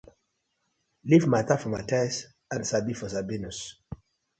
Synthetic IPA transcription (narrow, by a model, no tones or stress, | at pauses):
livmatafɔmatajs | ãnsabifɔsabinus